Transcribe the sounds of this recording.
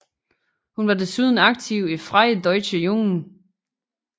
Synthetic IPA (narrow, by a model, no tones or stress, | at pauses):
hunʋɑ̈de̝suð̞ˠn̩ɑ̈ɡ̥̚t͡sʰiʊ̰ifʁaɪd̥ɒɪɕəjoŋn̩